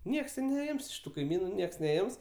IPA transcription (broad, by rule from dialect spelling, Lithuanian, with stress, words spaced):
ˈnʲiɛks tʲeː nʲɛˈɪms ɪʃ ˈtuː kɐɪˈmʲiːnʊ ˈnʲiɛks nʲɛˈɪms